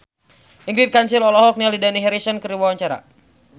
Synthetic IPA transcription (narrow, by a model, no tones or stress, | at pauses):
ʔiŋɡɾit̪̚kansilɔlɔɦɔk̚nialidaniɦɛɾisənkəɾiwawaɲt͡ʃaɾa̰